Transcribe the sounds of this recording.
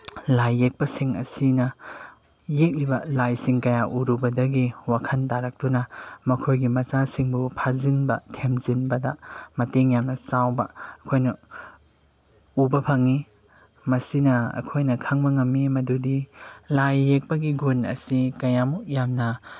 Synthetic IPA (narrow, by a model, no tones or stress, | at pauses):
lajːek̚pɐsiŋɐ̰sinɐ | jek̚libɐlajsiŋkɐjaʔuɾubɐdɐɡiwakʰɐntaɾɐk̚dunɐmɐkʰojɡimɐt͡ʃasiŋbupʰazinbɐtʰemzinbɐdɐmɐteŋjamnɐsawbɐɐkʰojnɐ | ubɐpʰɐŋi | mɐsinɐɐ̰kʰojnɐkʰaŋbɐŋɐmːimɐdudilajːek̚pɐɡiɡunɐ̰sikɐjamuk̚jamnɐ